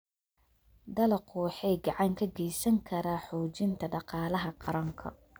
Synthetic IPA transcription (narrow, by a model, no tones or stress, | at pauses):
d̪ɐlɐquːħɛjɡɑʕɑŋkʰɐɡɛjsɐŋkʰɐɾaħɔːt͡ʃɪnt̪ʰɐɖɑqɑːlɐɦɐqɑɾɐŋkʰɐ̰